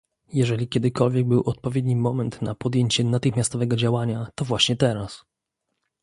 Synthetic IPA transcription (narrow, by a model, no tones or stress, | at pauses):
jɛʐɛlʲikʲɛd̪ɘkɔlvʲjɛɡ̚bɘwʔɔt̪̚pɔvʲjed̪ɲimɔmɛnt̪napɔd̪jeɲt͡ɕɛnat̪ɘxmʲjast̪ɔvɛɡɔd͡ʑawaɲat̪ɔvwaɕɲɛt̪ɛɾas